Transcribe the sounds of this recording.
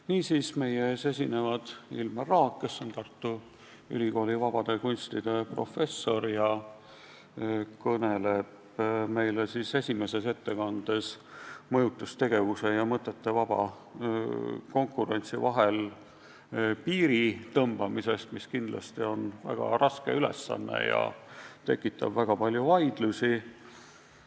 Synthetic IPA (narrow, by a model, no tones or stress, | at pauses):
niːsiːsme̞jeeːse̞sʲine̞vɑd̪̥ḭlmerɑːkkːe̞sːo̞nt̪ɑrt̪ːu | y̰liɡo̞ːlivɑb̥ɑd̪e̞kunʲst̪id̪̥e̞pro̞fe̞sːo̞rjɑ | kɤne̞le̞b̥ | me̞jlesise̞sʲime̞se̞se̞t̪ːe̞kɑnd̪̥e̞s | mɤjut̪ːˑust̪e̞ɡe̞vuse̞jɑmɤt̪ːˑe̞t̪ːe̞vɑb̥ɑ̰ | ko̞ŋkːˑuɾe̞nʲt̪sivɑɦe̞l | piːɾit̪ɤmb̥ɑmise̞st̪miskind̪lɑ̰st̪io̞nvæ̰ɡ̥ɑ̰ɾʔɑske̞̰ylḛsːɑ̰nːḛjɑ̰t̪e̞̰kːˑit̪ːˑɑb̥væɡ̥ɑpɑlʲjuvɑjd̪̥lusi